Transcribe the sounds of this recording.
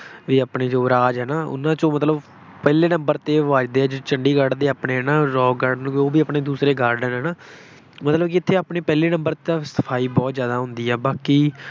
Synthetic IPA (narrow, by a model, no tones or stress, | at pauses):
ʋiːaːpɳeːd͡ʒoːɾaːd͡ʒɦɛːnaːʊ̰nãːt͡ʃõːmət̪ləb | pɛːleːnəmbəɾt̪eːʋaːd͡ʒd̪eːɛːd͡ʒot͡ʃəɳɖiːɡəɖd̪eːaːpneːɦɛːnaːɾɔːɡəɾɖnoːbiːaːpneːd̪uːsɾeːɡaːɾɖənɦɛːnãː | mət̪ləbkɪt̪ʰːeːaːpneːpɛːleːnə̃mbəɾt̪ːaːsə̥pʰaːiːbɔːt̪zjaːd̪aːɦʊ̃nd̪iːɛːbaːkiː